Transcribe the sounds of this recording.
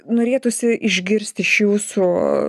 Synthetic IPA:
noːɾʲeːt̪ʊsʲɪʔɪʒʲɡʲɪɾʲsʲt̪ʲɪʃjuːsuː

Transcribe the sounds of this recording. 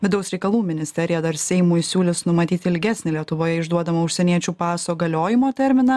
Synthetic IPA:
ʋʲɪd̪ɐʊsɾʲɛɪkɐlˠuːmʲɪnʲɪsʲt̪ʲɛɾʲɪjɛd̪ɐɾsʲɛɪmuːjsʲuːlʲɪsnʊmɐt̪ʲiːt̪ʲɪɪlʲɡʲæːsʲnʲɪlʲiɛt̪ʊʋoːjɛɪʒd̪uɔd̪ɐmɐʊʃʲsʲɛnʲiɛt͡ʃʲuːpɑːsoːɡɐlʲoːjɪmoːt̪ʲɛɾʲmʲɪnɐ

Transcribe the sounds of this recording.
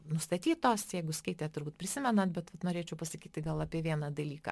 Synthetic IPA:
nʊst̪ɐt̪ʲiːt̪oːsjɛɪɡʊskɐɪt̪ʲeːt̪ʊrbuːt̪̚pʲɾʲɪsʲɪmʲɛnɐt̪̚bʲɛt̪ʋɐt̪noːɾʲeːt͡ʃʲɛʊpɐsɐkʲiːt̪ʲɪɡɐlˠɐːpʲiɛʋʲiɛnɑd̪ɐlʲiːkɐ̰

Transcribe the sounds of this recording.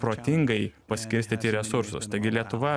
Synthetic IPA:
pɾoːt̪ʲɪŋɡɐɪpɐsʲkʲɪɾʲsʲt̪ʲit̪ʲɪɾʲɛsʊɾsʊ̰st̪ɐɪɡʲɪlʲiɛt̪ʊʋɐ

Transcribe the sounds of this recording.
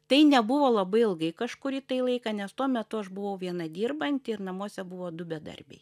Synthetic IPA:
t̪ɐɪnʲɛbʊʋoːlˠɐbɐɪɪlˠɡɐɪkɐʃkʊɾʲit̪ɐɪlˠɐɪkɐnʲɛst̪uɔmʲɛt̪ʊɐʃbʊʋɐʊʋʲiɛnɐd̪ʲiːrbɐnʲt̪ʲɪɪrnɐmuːsʲɛbʊʋoːd̪ʊbʲɛd̪ɐ̰rʲbʲɛ̰ɪ

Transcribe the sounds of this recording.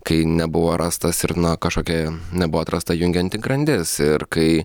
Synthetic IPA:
kɐɪnʲɛbʊʋoːɾʔɑst̪ɐsɪɾnɐkɐʃkoːkʲɛnʲɛbʊʋoːt̪ɾʔɐst̪ɐjʊŋʲɡʲɛnʲt̪ʲɪɡɾɐnʲd̪ʲɪsɪɾkɐɪ

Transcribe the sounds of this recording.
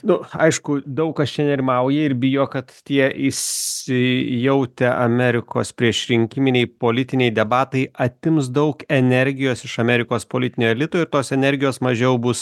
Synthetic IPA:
nʊɐɪʃkʊd̪ɐʊkkɐst͡ʃʲɛnʲɛɾʲɪmɐʊjɛɪɾbʲɪjoːkɐt̪t̪ʲiɛʔɪsʲɪjɛʊt̪ʲɛʔɐ̰mʲɛɾʲɪko̰ːspʲɾʲiɛʃɾʲɪŋʲkʲɪmʲɪnʲɛɪpoːlʲɪt̪ʲɪnʲɛɪd̪ʲɛbɑːt̪ɐɪʔɐt̪ʲɪms̬d̪ɐʊkɛnʲɛɾʲɡʲɪjoːsɪʃɐmʲɛɾʲɪkoːspoːlʲɪt̪ʲɪnʲoːɛlʲɪt̪oːɪɾt̪oːsɛnʲɛɾʲɡʲɪjoːsmɐʒʲɛʊbʊs

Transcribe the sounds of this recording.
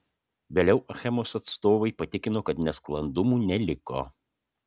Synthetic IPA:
ʋʲeːlʲɛʊʔɐxʲɛmoːsɐt̪st̪oːʋɐɪpɐt̪ʲɪkʲɪnoːkɐt̪nʲɛsklˠɐnd̪ʊmuːnʲɛlʲɪko̰ː

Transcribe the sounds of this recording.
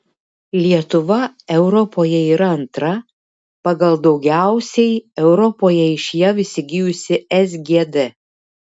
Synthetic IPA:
lʲiɛt̪ʊʋɐɛʊɾɔpoːjɛiːɾɐɐnt̪ɾɐ | pɐɡɐlˠd̪ɒʊɡʲæˑʊsʲɛɪɛʊɾɔpoːjɛɪʃʲjɛʋʲɪsʲɪɡʲɪjʊsʲɪɛzʲɡʲed̪ɛ

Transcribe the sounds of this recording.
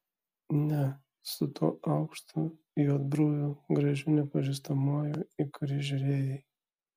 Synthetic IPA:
nʲɛ | sʊt̪ʰoːʔɐʊkʃt̪u | joːd̪̚bɾuːjuɡɾɐʒʲʊnʲɛpɐʒʲis̬t̪ɐmɑːjoɪkʰʊɾɪʒʲʊɾʲeːjɛj

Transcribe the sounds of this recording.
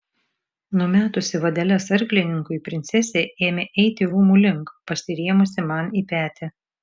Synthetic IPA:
nʊmʲæːt̪ʊsʲɪʋɐd̪ʲɛlʲɛsɐɾʲklʲɪnʲɪŋkʊɪipʲɾʲɪnʲt̪sʲɛsʲeːeːmʲeʔɛɪt̪ʲɪɾuːmuːlʲɪŋˑkpɐsʲɪɾʲiɛmʊsʲɪmɐniːpʲæːt̪ʲɛ

